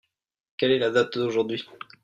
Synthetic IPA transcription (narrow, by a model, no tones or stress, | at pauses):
kʲɛlɛlad̪at̪d̪oʒuʁd̪ɥi